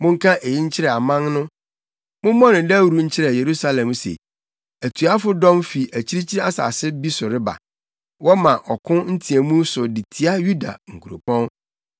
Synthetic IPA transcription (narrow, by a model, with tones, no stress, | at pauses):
mʊ̃˦ŋ̩˦kʰã˦ʔe˨ji˦ɲ̩˦t͡ɕʰɪ˦ɾɛ˨a˨mã˦ŋnʊ̃˦ | mʊ̃˦mɔ̃˦nʊ̃˨dɛ˦æ˦wɾu˦ɲ̩˦t͡ɕʰɪ˦ɾɛ˨je˨ɾu˦sa˦lɛ̃˨msḛ˨ | æ˨tʰu˨a˦fʊ˦dɔ̃˦mfi˨ʔæ˨t͡ɕʰi˦ɾi˦t͡ɕʰi˦ɾa˦sa̰ː˨sɪ˦bi˦sʊ˨ɾɪ˦ba̰˨ | wɔ˦mã˨ʔɔ˨kʰʊ̃˦n̩˦tʰi˨æ˨mũ˦sʊ˨di˨tʰi˨a˦ju˦da̰˨ŋ̩˨kʰu˨ɾo̰˨pʰɔ̃˦n